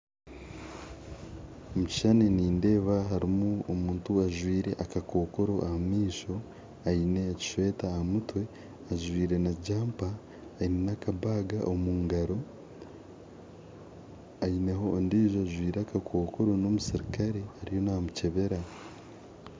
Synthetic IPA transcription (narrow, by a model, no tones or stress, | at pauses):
omuci̥ʃaneniːnde̞ːβaɦaɾimuomuːntuaʒwiːɾe̞ʔakakʰo̞ːko̞ɾo̞ʔahamiːʃo̞ | aine̞ːci̥ʃwe̞ːtamutwe̞ | aʒwiːɾe̞naɟaːmpaː | inenakabaɡaʔomuːŋɡaɾo̞ | aine̞ɦo̞ːndiːʒoaʒwiːɾeakakʰo̞ːko̞ɾo̞no̞musiɾikaɾehaɾijo̞naamuce̞βe̞ɾa